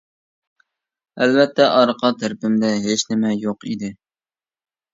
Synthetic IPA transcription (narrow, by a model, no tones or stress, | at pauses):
ælvɛt̪ʰːɛʔɑɾqʰɑt̪ʰɪɾpɪmd̪ɛɦet͡ʃnɪmɛjoqid̪ɪ